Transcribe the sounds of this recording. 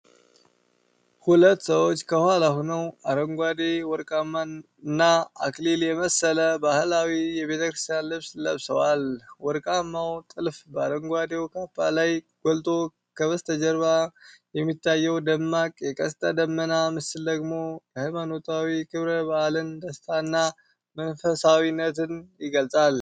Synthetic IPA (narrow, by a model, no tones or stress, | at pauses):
hulət̪ːsəwo̞t͡ʃːkʰəhʷalahonəwaɾəŋɡʷad̪ewɔɾkʼamːa | nːaakʼliljɛməsːələbahɨlawijɛβe̞t̪ʰəkɾɨst̪ijanlɨβslə̰βsəwalwɔɾkʼamːawt̪ʼɨlfbəaɾəŋɡʷad̪ewkʰapːa̰lajɡ̥olt̪ʼo̞ | kʰəβəst̪ʰəd͡ʒəɾβajɛmːit̪ʰːajːɛwd̪əmːakʼjɛkʼəst̪ʼəd̪əmːənamɨsɨld̪əɡmo̞jɛhajmanot̪ʰawikʰɨβɾəbahlɨnd̪əst̪ʰanːa | mənfəsawinːət̪ɨnjɪɡəlt͡sʼal